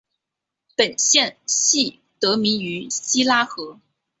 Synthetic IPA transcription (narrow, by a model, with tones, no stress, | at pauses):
pə˨˩nɕjɛ˥˧nɕi˥˩ | t̪ɤ˧˥mi˧˥y˧˥ɕi˥la˥xɤ˧˥